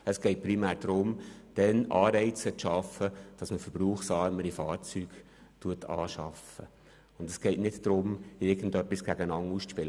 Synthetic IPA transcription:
əsɡ̥ɛɪt̚primæːɾd̥ɾʊmd̥ɛnʔɑ̰ːɾɛɪt͡sətʃɑfəd̥ɑsməfəɾb̥ɾuːχsɑːlməɾifɑːɾt͡syɡ | tuətʰɑ̰ːʃɑfə | ʊndəsɡ̥ɛɪtnɪtd̥ɾʊmɪɡ̥ən̩dœpːisɡ̥æɡənɑŋuspɪl

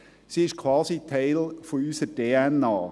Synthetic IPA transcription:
siɪʃkʰʋɑːsit̪ʰæɪlfoysəɾd̥eænɑː

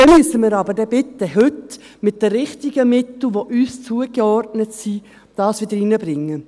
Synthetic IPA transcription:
d̥ɛmysəmɪːɾɑbəɾdɛb̥ɪtːəɦʏt | mɪt̚d̥əɾɪχtiɡəmɪtl̩ˠʋoʔyːst͡suəɡəɔrtnətsi | d̥ɑːsʋɪdəɾinəbɾɪŋːə

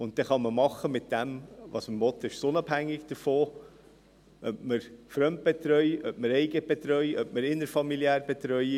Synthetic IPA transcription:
ʊntt̪ːɛχɑməmɑχːəmɪt̚d̥̪æmʋɑsməvɔt̪ːɪʃsʊnɑbhæŋːɪɡd̥̪əfoː | ʔœpməɾfɾœmt̚b̥ɛt̪ɾœʏʔœp̚məɾɛɪɡəb̥ɛt̪ɾœʏœp̚məɾɪnːəɾfɑmiljæːɾb̥ɛt̪ɾœʏə

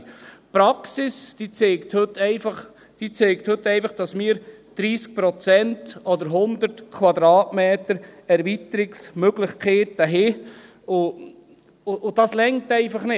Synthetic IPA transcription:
pɾɑksɪsd̥it͡sɛɪkt̪hɵtːɛɪfɑχ | d̥it͡sɛɪkt̪hɵt̪ːɛɪfɑχd̥ɑsmɪːəɾ | d̪̥ɾiːsk̚pɾɔt͡sɛntɔd̪əɾɦʊnd̪əɾtkʰwɑd̪ɾɑːtmeːtəɾɛɾvit̪əɾɪksmøɡlɪχkʰɛːtəɦɛ | ʊ | ʔʊd̥ɑslɛŋtɛɪfɑχnɪ

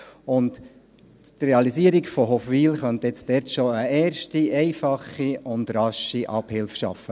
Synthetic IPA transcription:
ʊnt | tɾeɑlisiəɾikfɔɦɔfʋiːlχœnt̪ɛt͡stɛɾtʃoəɛːɾʃtiɛɪfɑχiʊnd̪ɾɑʃiʔɑphɪlfʃɑ̰fːə

